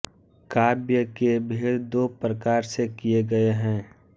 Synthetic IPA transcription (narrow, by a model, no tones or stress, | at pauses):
kaːbjəkebʱeːɽd̪oːpɾəkaːɾsekijeɡɐeɦɛ̃ː